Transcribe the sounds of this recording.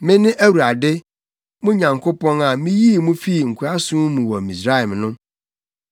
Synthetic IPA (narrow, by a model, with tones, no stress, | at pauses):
mɪ̃˦nɪ̃˦ʔæ˦wu˨ɾa˨dɪ˦ | mʊ̃˦ɲã˨ŋkʰo˦pɔ̃˦na˨mĩ˦ji˦˨mũ˦fi˦˨ŋ̩˨kʰu˨ɾa˦sʊ̃˦mũ˨wɔ˨mĩ˨s̬ɾa˦ɛ˨m˨nʊ̃˦